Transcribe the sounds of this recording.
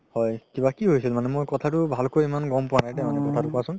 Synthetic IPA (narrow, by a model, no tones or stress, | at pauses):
hɔjkibakiɦojsilmanɛmojkɔtʰatʊbʱalkojimanɡɔmpʊwanajdamanɛkɔtʰatʊpʊasʊ̃n